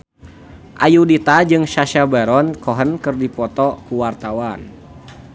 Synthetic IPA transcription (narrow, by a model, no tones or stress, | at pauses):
ʔajudit̪ad͡ʒɨŋʃaʃabaɾɔnkɔɦənkɨrdipɔt̪ɔkuwart̪awan